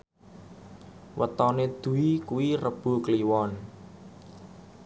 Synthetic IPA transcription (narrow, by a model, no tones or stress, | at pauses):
wə̰t̪ɔned̪̥ṳikuwirəb̥o̤kliwɔn